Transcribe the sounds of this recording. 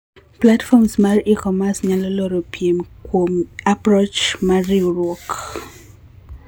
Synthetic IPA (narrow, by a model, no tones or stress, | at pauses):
platfɔmsmarikɔmasɲalɔlɔɾopʰjemkwomapɾot͡ʃmaɾiuɾwɔk